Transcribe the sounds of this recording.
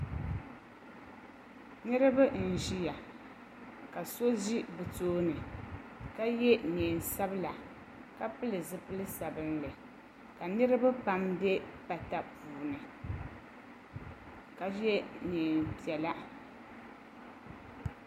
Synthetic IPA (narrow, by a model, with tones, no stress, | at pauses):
nɨ˦ɾɨ˦ba˦n̩˨ʒi˦ja˨ | ka˨so˦ʒi˦bɨ˨toː˦nɨ˨ka˦jɛ˦neː˨n˨sa˦bɨ˦la˨ | ka˦pɨ˦lɨ˨zɨ˦pɨ˦lɨ˦sa˨bɨ˦nlɨ˨ | ka˨nɨ˦ɾɨ˦ba˦pa˨mbɛ˦pa˨ta˦puː˨nɨ˨ | ka˨jɛ˦neː˨npi˨ɛ˨la˦